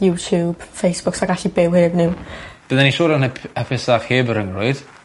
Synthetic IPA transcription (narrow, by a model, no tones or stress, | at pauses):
jutʰjuːb̥fejsb̥ʊksaɡaɬibɪwhɪːbnɪwb̥əðɛniʃoːdanəpʰəpʰɪsaχheːbəɾəŋrʊɨd̥